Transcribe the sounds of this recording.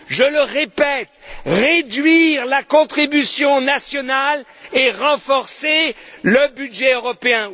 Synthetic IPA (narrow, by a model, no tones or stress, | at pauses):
ʒələʁepɛt̪ʁed̪ɥiʁlakɔ̃t̪χibysjɔ̃nasjɔnaleʁɑ̃fɔʁseləbydʒɛøʁɔpeɛ̃